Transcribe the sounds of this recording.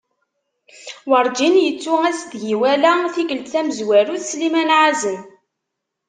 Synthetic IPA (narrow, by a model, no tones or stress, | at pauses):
wəɾˤd͡ʒinjət͡sːuæsd̪ʝiwælæθikəlt̪θæməzwæɾuθslimænʕazən